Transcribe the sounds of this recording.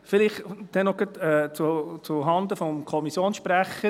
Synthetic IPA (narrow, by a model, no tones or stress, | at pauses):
fɪlɪχd̥̪ɛnɔɡ̥ətɛt͡sut͡suɦɑnd̪əfɔmkʰɔmisjoːnsʃpɾæχə